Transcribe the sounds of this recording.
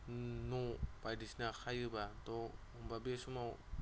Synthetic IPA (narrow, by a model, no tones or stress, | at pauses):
nɔb̥ajdisnakʰajɯbatɔ | umbabesumaw